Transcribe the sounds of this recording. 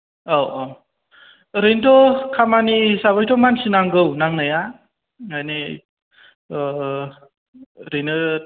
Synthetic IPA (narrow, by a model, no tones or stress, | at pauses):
owo | ɾentɔkʰamanisaβajtɔmansinaŋɡɯwnaŋnaja | ajni | ɾejnɯ